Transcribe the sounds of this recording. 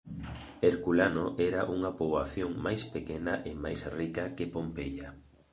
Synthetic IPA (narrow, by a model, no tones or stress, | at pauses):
eɾkulanoʔɛɾaʔuŋɐpoβaθjoŋmajspekɛnɐʔemajsrikɐkepompeʎa